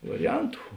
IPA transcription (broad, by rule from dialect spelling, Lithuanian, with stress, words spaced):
ʋɐrʲɪˈjɛntʊ